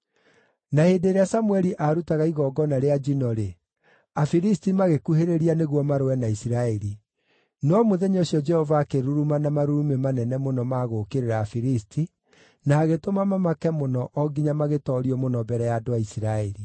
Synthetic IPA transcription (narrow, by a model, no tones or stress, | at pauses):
naheːdeːɾeasamuɛɾiʔaɾutaɣaiɣɔɡɔnaɾead͡ʒinɔɾe | afiɾistimaɣekuɦeɾeɾianeɣwɔmaɾowɛnaisiɾaɛɾi | nɔmoðɛɲoɕijɔd͡ʒɛhɔvaːkeɾuɾumanamaɾuɾumemanɛnɛmonɔmaːɣokeɾeɾaːfiɾistʰi | naːɣetomamamakɛmonɔʔɔɡiɲamaɣetɔɾiɔmonɔbɛɾɛjaːdoaisiɾaɛɾi